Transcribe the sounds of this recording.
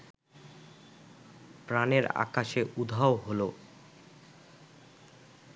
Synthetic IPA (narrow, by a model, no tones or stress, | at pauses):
pɾaneɾa̰kaʃeʔud̪ʱaoɦolo